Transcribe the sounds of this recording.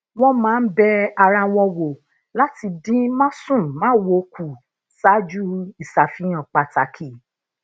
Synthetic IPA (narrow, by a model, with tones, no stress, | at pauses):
w̃ɔ̃˦mãː˨˦˧n̩˦bɛ˧a˧ɾã˧w̃ɔ̃˧wo˨ | la˦ti˧dĩ˦mã˦sũ˦˨mã˦wo˨˦ku˨ | sa˦d͡ʒu˦i˨sa˨fĩ˨˧j̃ã˨k͡pa˨ta˨kʰi˦˨